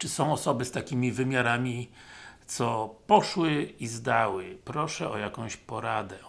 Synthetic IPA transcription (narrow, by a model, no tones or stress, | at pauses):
t͡ʂɘsɔ̃w̃ɔsɔbɘst̪akʲimʲivɘmʲjaɾamʲit̪sɔpɔʂwɘizd̪awɘpɾɔʂɛɔjakɔ̃w̃ɕpɔɾad̪ɛ